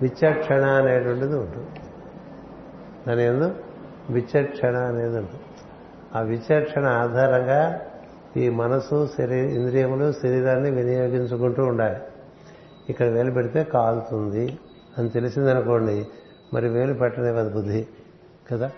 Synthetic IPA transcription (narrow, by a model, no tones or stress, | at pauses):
ʋit͡ʃːɐʈʂɐɳɐːne̞ːʈʋɐɳʈɐd̪iuɳʈu | d̪ɐneːnd̪o | ʋit͡ʃɐʈʂɐɳɐːne̞ːd̪uɳʈu | aːʋit͡ʃːɐʈʂɐɳɐaːd̪ʱaːɾɐŋɡaː | iːmɐnɐsusɐɾiind̪ɾijɐmloːsiɾiɾaːnːiʋinɐjo̞ːɡiɲt͡ʃukuɳʈuːɳɖaːli | ikːɐɽɐʋe̞ːlup̬ɛɽit̪e̞ːkaːlut̪und̪i | ɐnit̪e̞lisind̪ɐnuko̞ːɳɖi | mɐ̰ɾiuʋe̞ːlupɛʈːɐneʋɐd̪ɐbud̪ːi | ɡ̥ɐd̪aː